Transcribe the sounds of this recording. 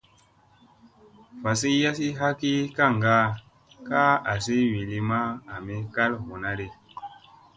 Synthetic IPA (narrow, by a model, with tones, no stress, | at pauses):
fa˨s̬i˦ja˦s̬i˦ɦa˦ki˦ka˦˨ŋ˨ɡa˦ | ka˦a˨si˦wi˨li˦ma˦a˨me˦ka˦lho˨na˦ɾe˦